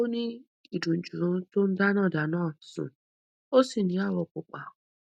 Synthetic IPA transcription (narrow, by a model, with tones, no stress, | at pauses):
o˦ni˦ | i˨du˨n̩˨d͡ʒu˨ɾu˦tʊ˦n̩˦da˦nɔ˦˨da˨nɔ˦˨sʊ̰̃˨ | o˦si˨ni˨˦a˦˨wɔ˨kʊ˨k͡pa˨